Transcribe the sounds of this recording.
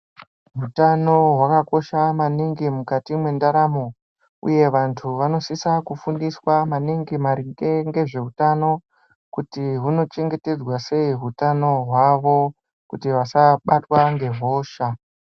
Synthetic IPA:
ɦutano̞ɦwakako̞ʃamaniŋɡimukatimwe̞ndaɾamo | ṵje̞ʋantʰuʋano̞sisakufundiswamaniŋɡimaɾiŋɡeŋɡe̞ʐe̞utano̞ | kutiɦuno̞t͡ʃe̞ŋɡe̞te̞d͡zwase̞iɦutano̞ɦwaʋo̞ | kutiʋasaɓatwaŋɡe̞ɦo̞ːʃa

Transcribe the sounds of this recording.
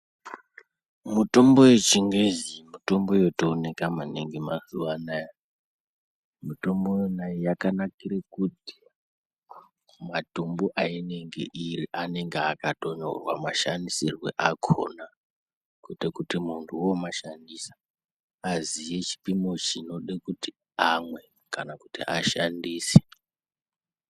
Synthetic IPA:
muto̞mbo̞jet͡ʃiŋɡezimuto̞mbo̞jo̞toːne̞kamaneŋɡemazuʋanaja | muto̞mbojonajijakanakiɾekuti̥ | matumbuʔaine̞ŋɡe̞̰ʔiriʔane̞ŋɡeakato̞no̰rwa̰maʃandisirwe̞̰ʔakʰo̰na | kutekutimuntʰuwomaʃandisḁ | azije̞t͡ʃi̥pimo̞t͡ʃino̞ɗekuti | amwe̞ | kanakutḭʔaʃandiːse̥

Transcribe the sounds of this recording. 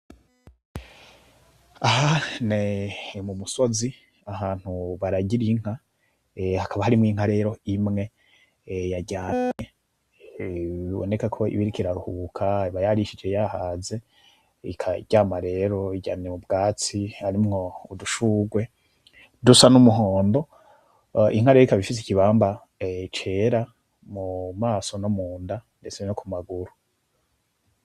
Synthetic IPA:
aɦanemumuso̞zi | ahaːn̥huβaɾaɟiɾiŋ̥ha | hakʰaβahaɾimŋiːŋ̥haɾe̞ːɾo̞imŋe̞ | jaɟaːɲe | βiβo̰nekakʰo̞ḭβiɾikiɾaɾuhukʰaβajaɾiʃid͡ʒe̞jahaːze̞ | ḭkʰaḭɟaːmaɾe̞ɾo̞iɟa̰ːnemubɡaːt͡siaɾimŋo̞uduʃuːɡwe̞ | dusanumuɦoːndo̞ | ḭŋ̥haɾeikaβifis̬i̥kiβaːmba | t͡ʃe̞ːɾa | mumaːso̞nomuːndande̞t͡senokʰumaɡuɾu

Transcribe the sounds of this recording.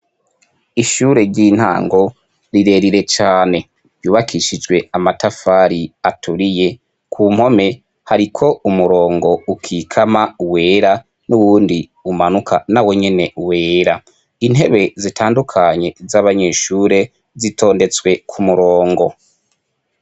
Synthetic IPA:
iʃuːɾe̞ɾɟiːn̥ha̰ːŋɡo̞ | ɾiɾe̞ɾiɾe̞t͡ʃaːne̞ | juːβakʰiʃid͡ʒɡwe̞amatafaːɾiatʰuɾije̞ | kʰuːm̥ho̞me̞ | haɾikʰo̞umuɾo̞ːŋɡo̞ukʰiːkʰamawe̞ːɾa | nuβuːndi | umanukʰanawe̞ɲe̞ne̞we̞ːɾa | in̥ɦe̞βe̞zitʰaːndukʰaɲe̞zaβaɲe̞ʃuːɾe̞ | zitʰo̞ːnde̞t͡swe̞kʰumuɾoːŋɡo̞

